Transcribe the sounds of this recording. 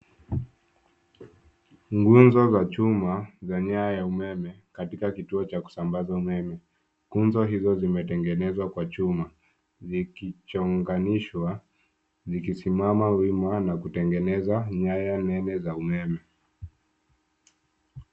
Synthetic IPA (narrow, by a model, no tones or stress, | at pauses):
ŋɡunzɔzat͡ʃumazaɲaajaumɛmɛkatikakituɔt͡ʃaku̥sambazaumɛmɛ | ɡunzɔɦizɔzimɛtɛŋɡɛnɛzwakwat͡ʃuma | zikit͡ʃɔŋɡaniʃwa | zikisimamawimanakutɛŋɡɛnɛzaɲajanɛnɛzaumɛmɛ